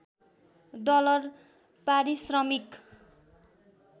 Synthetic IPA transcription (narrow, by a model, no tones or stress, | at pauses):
d̪ʌlʌr | paɾisrʌmik